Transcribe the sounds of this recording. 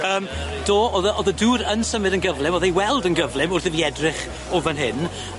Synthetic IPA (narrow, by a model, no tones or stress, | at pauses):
əːmd̥oːɔðəʔɔðəduːɾənsəmɨdənɡəvlˠɪmɔðejwɛlˠdənɡəvlˠɪmʊrθəviɛdrɪχ | ovənɦɪn